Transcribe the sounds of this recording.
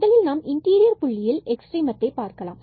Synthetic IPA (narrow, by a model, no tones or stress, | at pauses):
ðɐlɪlnaːmɪɳʈiːɾɪjɐɾpʊɭːɪjɪlɛksʈriːmɐt̪ːɐɪpːaːɾkɐla̰ːm